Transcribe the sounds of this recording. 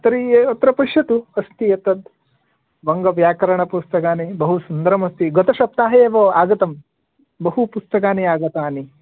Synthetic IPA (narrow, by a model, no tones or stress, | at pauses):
t̪ɐɾiɐt̪ɾɐpɐʃɐt̪uɐst̪ijɐt̪ɐd̪ | ʋɐŋɡɐʋjaːkɐɾɐɳɐpust̪ɐkaːnibɐɦusund̪ɐɾɐmɐst̪iɡɔt̪ɐʃɐp̚t̪aːɦeːʋɐaːɡɐt̪ɐm | bɐɦupust̪ɐkaːniaːɡɐt̪aːni